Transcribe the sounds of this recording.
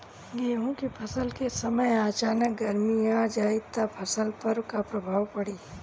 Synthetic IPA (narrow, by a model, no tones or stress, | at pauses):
ɡeːɦõkepʰɐsəlkesɐməjaːt͡ʃaːnək̚ɡɐɾmiãːd͡ʒaːɪt̪ːapʰɐsəlpəɾkapɾɐbʱaːʋpɐɽiː